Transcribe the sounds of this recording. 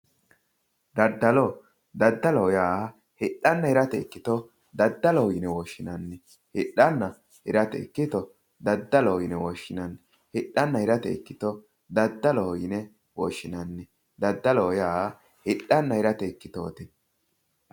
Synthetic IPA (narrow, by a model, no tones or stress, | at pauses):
d̪ɐd̪ːɐlɔ | d̪ɐd̪ːɐlɔɔjaː | hɪɗːɐnːɐhɪɾɐt̪ɛːkːɪt̪ɔ | d̪ɐd̪ːɐlɔɪnɛwɔːʃːɪnɐnːɛ | hɪᶑːɐnːɐ | hɪɾɐt̪ɛ̰kːɪt̪ɔ | d̪ɐd̪ːɐlɔjɪnɛwɔʃːɪnɐn | hɪɗːɐnːɐhɪɾɐt̪ɛ̰ɪkːɪt̪ɔ | d̪ɐd̪ːɐlɔjɪnɛ | wɔʃːɪnɐnːɛ | d̪ɐd̪ːɐlɔːjaː | hɪɗːɐnːɐhɪɾɐt̪ɛkːɪt̪o̰ːt̪ɛ